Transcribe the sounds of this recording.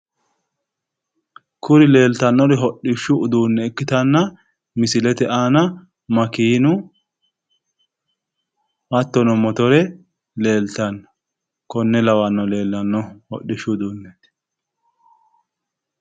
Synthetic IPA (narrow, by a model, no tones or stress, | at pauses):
kʊɾɪle̞ːlt̪ɐnːɔɾɛɦɔɗɪʃːʊʊd̪uːnːɛɛkːɪt̪ɐnːɐ | mɪsɪlɛt̪ɛʔaːnɐ | mɐkiːnʊ | wɐt̪ːɔnɔmɔt̪ɔɾɛ | le̞ːlt̪ɐnːɔ̥ | kɔnːɛlɐwanːɔle̞ːlːɐnːɔhɔ̰ɗːɪʃːʊd̪uːnːɛt̪